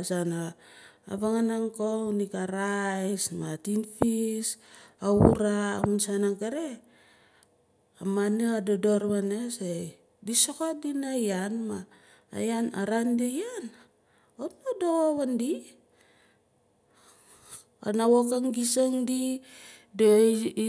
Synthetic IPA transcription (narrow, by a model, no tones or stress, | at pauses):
sana | a̰βaŋanaŋkounikaɾajsmatinfisauɾa̰unsanaŋkaɾe | amaneadodoɾβanese | disokodinajanma̰ː | jana̰ɾandejan | otnodoβandi | a̰nawokaŋɡisoŋdi | do